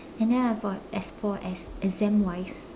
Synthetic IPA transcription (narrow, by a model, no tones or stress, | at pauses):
ɛ̃ndɛ̃naɪvɡɔtɛspʰɔtɛsɛzɛ̃mwajs